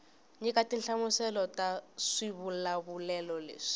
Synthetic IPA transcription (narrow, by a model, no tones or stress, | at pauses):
ɲikatinɬamusɛlɔtaʂiβulaβulɛlɔlḛːʂi̥